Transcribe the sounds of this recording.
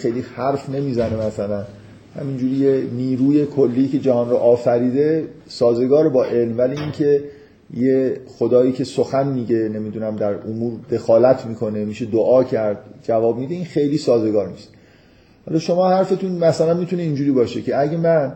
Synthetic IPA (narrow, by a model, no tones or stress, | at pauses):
xejlihæɾfne̞miːzænemæsælæn | hæ̰mind͡ʒuːɾijeniːɾuːje̞kʰolːiːce̞d͡ʒæhɒnɾoʔɒːfæɾiːd̪e̞sɒːze̞ɡɒːɾebɒːʔe̞lmvæliːincʰe̞ | jexod̪ɒːjiːcʰe̞soxænmiːɟe̞ne̞miːd̪unæmd̪æɾomuːɾd̪e̞xɒːlæt̪ʰmiːkʰo̞nemiːʃed̪oʔɒːcʰæɾd̪̚d͡ʒævɒːb̚miːd̪eiːnxe̞jliːsɒːze̞ɡɒːɾnist̪ | hɒ̰lɒːʃo̞mɒːhæɾfe̞t̪ʰunmæsælænmit̪uneind͡ʒuːɾiːbɒːʃecʰe̞æɟemæn